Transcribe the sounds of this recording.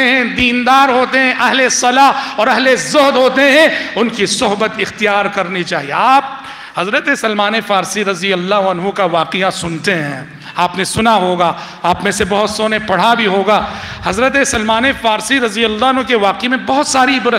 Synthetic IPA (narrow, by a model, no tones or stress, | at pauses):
eɦɛ̃d̪iːnd̪aːɾɦoːt̪eɦɛ̃ʔɐɦlesɐlaɔːɾɐɦlezʊɦd̪ɦoːt̪eɦɛ̃ʊnkisʊɦbət̪ɪxt̪ijaːɾkɐɾnit͡ʃaːɦijḛaːp̚ | hɐzɾət̪esɐlmaːnefaːɾsiɾɐzijɐlːaːɦuɐnɦũkaʋaːqɪjasʊnt̪eɦɛ̰̃ː | aːpnesʊnaɦoːɡaː | aːpmẽsebɐɦʊt̪soːnepɐɽ̤abʱiɦoːɡaː | hɐzɾət̪esɐlmaːnefaːɾsiɾɐzijɐlːaːɦɐnɦũkeʋaːqimẽbɐɦʊt̪saːɾibʊɾ